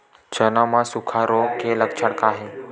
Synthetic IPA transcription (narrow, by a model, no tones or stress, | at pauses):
t͡ʃənamãsʊkʰaɾokeləkt͡ʃʰəɽkaːɦe